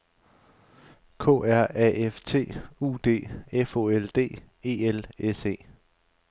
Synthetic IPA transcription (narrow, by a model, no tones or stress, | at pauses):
kʰɔ̰̽ːæɐ̰ɛeft͡sʰe̝̰ːṵːd̥e̝̰ːefo̝ːeld̥e̝̰ː | e̝ːelese̝̰ː